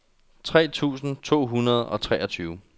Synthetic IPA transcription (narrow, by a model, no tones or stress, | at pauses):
t͡sʰʁɛ̰ːt͡sʰṵːsn̩t͡sʰo̝̰ːɦunɐð̞ˠɒ̽t͡sʰʁɛːɒ̽t͡sʰyːʊ